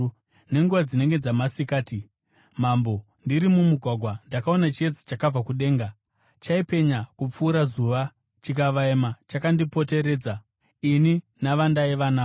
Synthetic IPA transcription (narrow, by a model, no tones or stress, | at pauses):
ne̞ŋɡuʋad͡zine̞ŋɡe̞d͡zamasikaːti | mambo̞ | ndiɾimumuɡʱwaɡʱwandakao̞nat͡ʃet͡si̥t͡ʃakab͡vakuɗe̞ːŋɡa | t͡ʃaipe̞ɲakup͡fuːɾazuʋa | t͡ʃikaʋaemat͡ʃakandipo̞te̞ɾe̞ːd͡za | ini | naʋandaiʋanaː